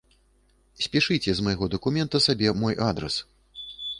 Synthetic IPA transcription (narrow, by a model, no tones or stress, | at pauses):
sʲpʲiʂɨt͡sʲɛzmɐjɣɔd̪ɐkumʲɛnt̪ɐsabʲɛmɔjʔad̪ɾɛ̰s